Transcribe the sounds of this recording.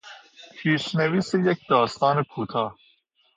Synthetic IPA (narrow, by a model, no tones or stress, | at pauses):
pʰiːʃneviːsejekd̪ɒːst̪ɒːnekʰuːt̪ʰɒː